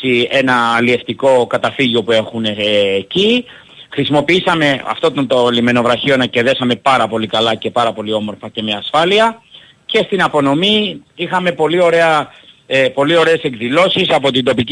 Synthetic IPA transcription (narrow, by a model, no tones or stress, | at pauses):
ie̞nɐːlie̞ft̪iko̞kɐt̪ɐfiʝo̞pue̞xuneːci | xɾisimo̞piisɐme̞ɐ̰ft̪o̞t̪ont̪olime̞no̞vɾɐçio̞nɐce̞ðe̞sɐme̞pɐɾɐpo̞likɐlɐce̞pɐɾɐpo̞lio̞mo̞ɾfɐce̞meɐsfɐliɐ | ce̞st̪inɐpo̞no̞miixɐme̞po̞lio̞ɾe̞ɐ | po̞lio̞ɾe̞ːse̞kðilo̞sisɐpo̞t̪ind̪o̞pic